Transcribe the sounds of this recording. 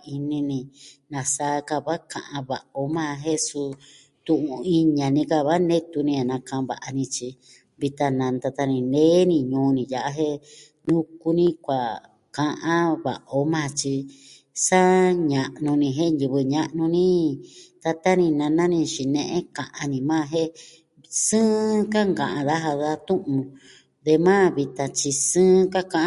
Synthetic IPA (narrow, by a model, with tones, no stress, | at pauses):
i˧nĩ˧nĩ˧nã˧saː˧˦˧ka˧βa˦kã˧ʔã˧βa˨ʔo˧mãː˦˧ɦe˦su˧ | t̪ũ˧˨ʔũ˧i˧ɲã˨nĩ˧ka˧˨βa˦nẽ˦t̪u˧nĩ˧a˨nã˧kã˧βa̰˨ʔa˧nĩ˧t͡ʃi˧ | βi˧t̪a˧nã˧nt̪a˧t̪a˧nĩ˧neː˦nĩ˧ɲũː˨˧˦nĩ˧˨ja˨ʔa˧ɦe˦ | nũ˦ku˧nĩ˦kʷa˨ | kã˧ʔã˦βa̰˨ʔo˧˦mãː˦˧˨t͡ʃi˧ | sa˦ɲã˨ʔnũ˧nĩ˧ɦe˦nji˧βɨ˧ɲã˧ʔnũ˧nĩ˦t̪a˧t̪a˦nĩ˧nã˧nã˦nĩ˧t͡ʃi˨nẽ˧ʔẽ˦kã˨ʔã˧nĩ˧mãː˦˧ɦe˦ | sɨ̃ː˦ka˦ŋɡã˨ʔã˧ða˦ɦa˧ða˦˧t̪ũ˦ʔũ˧ | d̪e˧mãː˦˨βi˧t̪ã˧t͡ʃi˧sɨ̃ː˦ka˦kã˧ʔ